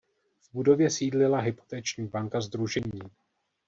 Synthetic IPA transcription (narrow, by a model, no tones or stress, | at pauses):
vbudo̞vjɛsiːdlɪlaɦɪpo̞̥t̪ɛːt͡ʃɲiːbaŋkazd̪ɾuʒɛɲiː